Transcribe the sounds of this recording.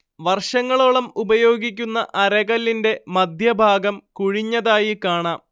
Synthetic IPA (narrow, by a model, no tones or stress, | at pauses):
ʋɐrʂɐŋːɐɭoɭɐmubɐjo̞ːɡik̬ʲːunːɐʔɐɾɐɣɐlːinde̞mɐd̪ʱjɐbʱaːɡɐmkuɻiɲːɐðaːjikaːɳaːm